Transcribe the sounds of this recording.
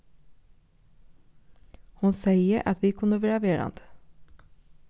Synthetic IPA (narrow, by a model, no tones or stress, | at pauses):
hʊnsæɪəʔɑt̪ʋiːkʰʉnəʋeːɾɑʋeːɾɑ̰nd̪̥